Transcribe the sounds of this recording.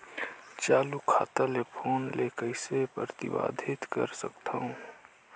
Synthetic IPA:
t͡ʃaːlukʰa̰ːt̪əlepʰoːnlekəɪsepɾət̪ɪ̰ba̰ːd̪ʱɪt̪kə̰ɾsə̰kt̪ʰaɦũ

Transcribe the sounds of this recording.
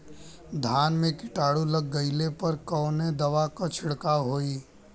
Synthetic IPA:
d̪ʱaːnmẽkɪʈaːɽulɐɡːɐɪlepɐɾkɔːned̪ɐʋakat͡ʃʰɪɽkaɦoːiː

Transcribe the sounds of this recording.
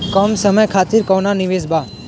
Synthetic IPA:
kɔmsəməjkʰat̪iɾkɔʋnaniʋesba

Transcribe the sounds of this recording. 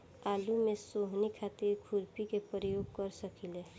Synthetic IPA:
aːlumẽsoɦnikʰaːt̪ɪɾɡʰʱʊɾpikepɾəjoːɡ̚kəɾsəkʰile

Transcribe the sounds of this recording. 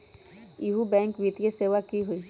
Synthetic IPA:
iɦubɛ̃ːŋkʋit̪ijeseːʋakiɦoiː

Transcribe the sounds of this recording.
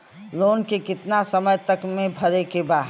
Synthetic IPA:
loːnkekɪt̪nasəməjt̪əkmẽbʱɐɾekebaː

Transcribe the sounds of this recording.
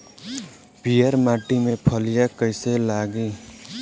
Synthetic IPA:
pijəɾmaːʈimepʰəlijakəɪselaːɡi

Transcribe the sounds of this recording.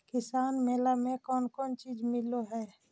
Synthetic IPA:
kɪsaːnmeːlamẽkɔːnkɔːnt͡ʃiːd͡ʒmɪloɦɛː

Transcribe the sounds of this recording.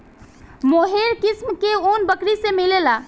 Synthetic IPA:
moɦeɾkismkeonbəkɾisemilela

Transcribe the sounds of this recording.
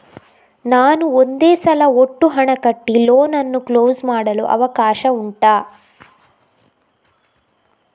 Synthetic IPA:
naːnuond̪eːsɐlɐoʈːuɦɐɳɐkɐʈːilo̞ːnɐnːukloːzmaːɽɐlṵʔɐ̰ʋɐkaːʃɐuɳʈaː

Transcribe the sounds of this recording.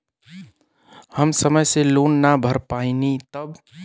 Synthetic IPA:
həmsəməjselonːabʱəɾpainit̪əb

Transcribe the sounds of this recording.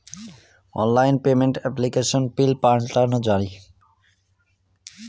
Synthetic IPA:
ɔ̰nlajnpemeɳʈɛplikeʃonpilpaɾɳʈaɾnod͡ʑaɾi

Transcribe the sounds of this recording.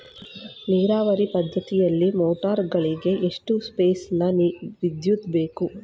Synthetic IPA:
niːɾaːʋɐɾipɐd̪ʱːɐt̪ijɐlːimoːʈaːɾɡɐɭiɡe̞ʔeʂʈuspe̞ːsnɐnʋid̪jut̪be̞ːku

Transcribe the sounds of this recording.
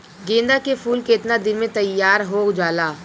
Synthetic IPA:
ɡẽːnd̪akefʰuːlkeɪt̪nad̪ɪnmẽt̪ɐjːaːɾɦoːd͡ʒaːlaː

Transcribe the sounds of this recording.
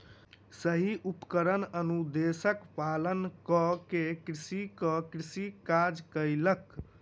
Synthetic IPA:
səɦiʔupkəɾənənud̪esəkpalənkəkekɾisikəkɾisikad͡ʒkəɪlək

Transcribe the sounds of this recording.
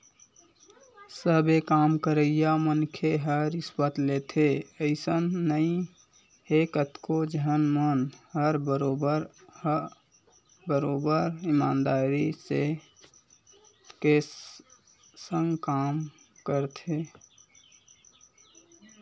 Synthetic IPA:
səbekaːmkəɾəɪjamənkʰeɦəɾispət̪let̪ʰeəɪsənːəĩ | ekət̪kod͡ʒəɦənmənhəɾbəɾobəɾ | bəɾobəɾimaːnd̪aːɾise | ke | səŋɡkam | kəɾt̪ʰe

